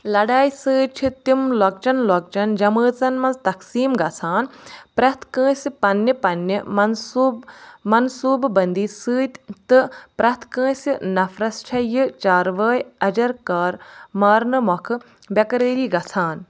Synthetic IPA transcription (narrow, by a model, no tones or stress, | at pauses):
lɐɖaːjsɨːt͡ʃʰit̪imlɔk̚t͡ʃɐnlɔk̚t͡ʃɐnd͡ʒɐməːt͡sɐnmɐnzt̪ɐksiːmɡɐt͡sʰaːnpɾɐt̪ʰkə̃ːsipɐnːipɐnːimɐnumɐnsuːbbɐnd̪iːsɨːt̪ʲt̪ɨpɾɐt̪ʰkə̃ːsinɐfɾɐst͡ʃʰɐjɨt͡ʃaːɾʋəːjɐd͡ʒɐɾkaːɾmaːɾnɨmɔkʰɨ | bʲɐkɐɾeːɾiːɡɐsʰaːn